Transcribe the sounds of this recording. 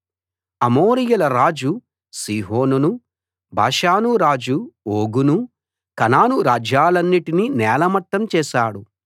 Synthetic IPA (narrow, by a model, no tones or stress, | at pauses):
ɐmoːɾijɐlɐɾaːd͡ʒu | siːɦoːnunu | bʱa̰ːʃaːnuɾaːd͡ʒuoːɡunu | kɐnaːnuɾaːd͡ʒaːlɐnːiʈininɛːlɐmɐʈːɐmt͡ʃɛːʃaːɽu